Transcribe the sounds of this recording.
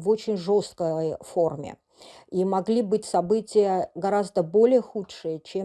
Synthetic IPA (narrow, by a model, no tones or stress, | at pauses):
vot͡ɕɪnʲʐo̞st̪̚kəfo̞rmʲɪ̰ | imɐɡlʲibɨtʲsɐbɨtʲɪjəɡɐɾazd̪əbo̞lʲɪjəxutʂɨjət͡ɕe